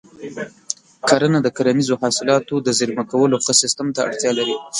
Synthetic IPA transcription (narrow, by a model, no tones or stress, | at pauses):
kʰaɾənad̪əkaɾamizohɑsɪlɑt̪od̪əziɾmakawəloxəsɪst̪əmt̪aa̰ɽt̪jɑlaɾi